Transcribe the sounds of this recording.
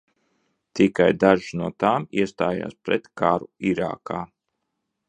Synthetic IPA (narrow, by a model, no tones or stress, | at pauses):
t̪ikajd̪aʒnuɔt̪aːmiɛst̪aːja̰ːspɾɛt̪kaɾuiɾa̰ːka̰ː